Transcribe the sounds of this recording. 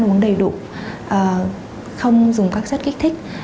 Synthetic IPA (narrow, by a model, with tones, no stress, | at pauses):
nʔu˨˦əŋɗə˨˩jɗṵ˧˨ | ʔəː˨˩ | xə˧wŋ͡mzʊ˨˩ŋ͡mkaː˦˥k̚sə˦˥t̚ki˦˥k̚t̪ʰi˦˥k̟̚